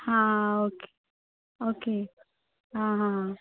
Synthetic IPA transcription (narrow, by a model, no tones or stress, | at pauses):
hãoke̥ | oke | ɦãɦãɦã